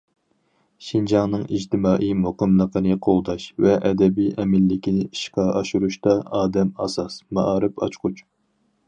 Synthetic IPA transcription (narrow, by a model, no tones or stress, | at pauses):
ʃind͡ʒɑŋnɨŋid͡ʒt̪ɪmɑːʔijmoqəmlˠəqʰənɨqʰolˠd̪ɑʃvɛʔɛd̪ɛbijʔɛmɪlːɪkʲinɪiʃqɑʔɑʃuɾuʃt̪ɑɑːd̪ɛmɑ̰sɑsmɑʔɑːɾɨpʰɑ̰t͡ʃqʰʊt͡ʃ